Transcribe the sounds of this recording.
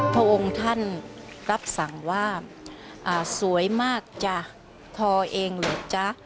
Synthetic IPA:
pʰɾa˧˩ʔo˧ŋt̪ʰa˥˩nɾa˦˥p̚sa˨˩ŋwaː˥˩ʔaː˨˩su˨˩˦əjmaː˥˩k̚t͡ɕa˧˩ | t̪ʰɔː˧ʔeː˧ŋlɤː˨˩jt͡ɕa˧˩

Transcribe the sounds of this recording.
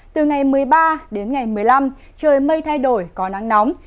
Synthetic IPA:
t̪ɨ˨˩ŋa˨˩jmɨ˨˩əjɓaː˧ɗe˨˦nŋa˨˩jmɨ˨˩əjla˧m | t͡ɕəː˨˩jmə˧jt̪ʰa˧jɗo˧˩jkɔ˨˦na˨˦ŋnɔ˨˦wm

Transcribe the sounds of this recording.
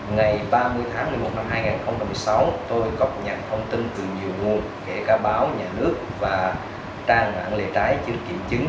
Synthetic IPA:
ŋa˨˩jɓaː˧mɨ˧əjt̪ʰaː˨˦ŋli˧˩mo˨˩t̚na˧mɦaː˧jŋaː˨˩nxə˧wŋ͡mt͡ɕa˧mːɨ˨˩əjsa˨˦wt̪o˧jɣɔ˦˥p̚ɲaː˨˩t̚t̪ʰə˧wŋ͡mt̪i˧nt̪ɨ˨˩ɲi˨˩əwŋu˨˩ən | ke˧˩kaː˨˦ɓaː˨˦wɲaː˨˩nɨ˦˥ək̚vaː˨˩ | t͡ɕaː˧ŋna̰ː˧˨nle˨˩t͡ɕaː˨˦jt͡ɕɨ˧˩kːḭ˧˩əmt͡ɕɨ˨˦ŋ

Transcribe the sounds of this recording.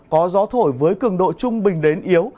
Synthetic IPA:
kɔ˨˦zɔ˨˦t̪ʰo˧˩jvəː˨˦jkɨ˧˩əŋɗo̰˧˨jt͡ɕʊ˧ŋ͡mɓï˨˩ŋ̟ɗe˨˦nʔi˨˦əw

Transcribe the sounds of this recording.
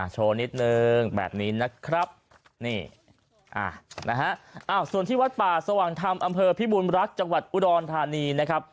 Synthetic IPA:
ʔʔa˧˩t͡ɕʰoː˧ni˦˥t̪̚nɯ˧ŋbɛ̰ː˨˩p̚niː˦˥na˦˥kʰɾa˦˥p̚ | niː˥˩ | ʔa̰ː˧˩nʔa˦˥ɦa˦˥ʔʔaː˧˩wsu˨˩əniː˥˩wa˦˥t̪̚paː˨˩sa˧waː˨˩ŋt̪ʰa˧mʔa˧mpʰɤː˧pʰi˦˥buː˧nɾa˦˥k̚t͡ɕa˧ŋwa˨˩t̪̚ʔu˧dɔː˧nt̪ʰaː˧niː˧na˦˥kʰɾa˦˥p̚

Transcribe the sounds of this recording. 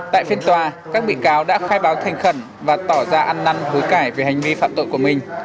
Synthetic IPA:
t̪a̰ː˧˨jfi˧ənt̪waː˨˩kaː˦˥k̚ɓḭ˧˨kaː˨˦wɗa̰ː˧˥xaː˧jɓaː˨˦wt̪ʰɛ˨˩ŋ̟xə˧˩n | vaː˨˩t̪ɔ˧˩zaː˧ʔa˧nːa˧nho˨˦jkaː˧˩jve˨˦ha˨˩jŋ̟vi˧fa̰ː˧˨mt̪o̰˧˨jku˧˩əmï˨˩ŋ̟

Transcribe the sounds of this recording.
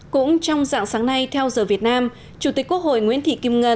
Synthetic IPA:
kʊ̰˧˥ŋ͡mt͡ɕɔ˧wŋ͡mza̰ː˧˨ŋsaː˨˦ŋna˧jt̪ʰɛ˧wzəː˨˩vi˨˩ət̚naː˧m | t͡ɕu˨˧˩t̪i˨˩k̚kːu˦˥ək̚ho̰˧˨jŋwḭ˧˥ənt̪ʰḭ˧˨ki˧mŋə˧

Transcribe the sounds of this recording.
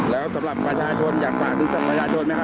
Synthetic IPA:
lɛː˦˥wsa˨˩˦mɾa˨˩pɾaː˧t͡ɕʰaː˧t͡ɕʰo˧njaː˨˩k̚waː˨˩kʰɯ˧˦ŋsa˨˩pɾa˧t͡ɕʰaː˧t͡ɕʰo˧nma˦˥jkʰa˥

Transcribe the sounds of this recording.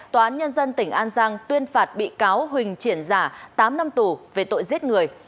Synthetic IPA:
t̪waː˨˩aː˨˦ɲə˧nzə˧nt̪ï˧˩ŋ̟ʔaː˧nzaː˧ŋt̪wi˧ənfaː˨˩t̚ɓḭ˧˨kaː˨˦wɦwï˨˩ŋ̟t͡ɕi˧˩ənzaː˧˩t̪aː˨˦mna˧mt̪u˧˩ve˨˩t̪o̰˧˨jzi˦˥ət̚ŋɨ˨˩əj

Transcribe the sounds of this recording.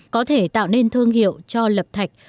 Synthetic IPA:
kɔ˨˦t̪ʰe˧˩t̪a̰ː˧˨wne˧nt̪ʰɨ˧əŋhḭ˧˨əwt͡ɕɔ˧lə˨˩p̚t̪ʰa˨˩jk̟̚

